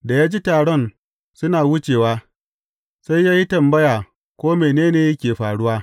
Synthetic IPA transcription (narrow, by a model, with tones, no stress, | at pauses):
da˨jaː˦d͡ʒi˦taː˨ɽɔ˦˨n | sʊ˦naː˨wʊ˦t͡ʃeː˨waː˦ | sa˦jːaː˦ji˦tɐ˨mbɐ˦jaː˨ | kʷoː˦meː˨neː˦neː˨jɐ˦kʲeː˨ɸaː˨ɽʊ˦waː˦